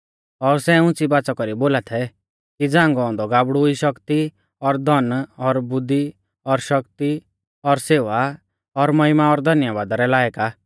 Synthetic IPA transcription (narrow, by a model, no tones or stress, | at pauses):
ɔɾsɛʊ̃t͡sibaːt͡sɔkɔɾiboːlat̪ʰɛ | kid͡zãːŋɡɔɔ̃nd̪ɔɡaːbɽuiʃɔkt̪i | ɔɾd̪ʱɔnɔɾbʊd̪ːi | ɔɾʃʌkt̪i | ɔɾseːʋa | ɔɾmɐɪmaɔɾd̪ʱɐnjaʋaːd̪aɾɛlaːjka